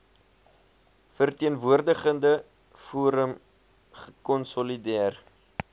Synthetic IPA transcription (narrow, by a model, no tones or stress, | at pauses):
fərtiənvuərdəχəndə | fuːɾəm | χəkɔnsɔlidiər